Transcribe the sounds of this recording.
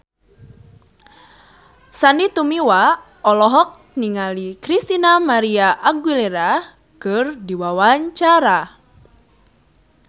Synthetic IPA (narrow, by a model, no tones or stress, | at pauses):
sanit̪umiwa | ɔlɔɦɔk̚ | niŋalikɾist̪inamaɾiaʔaɡwileɾa | kɨrdiwawaɲt͡ʃaɾa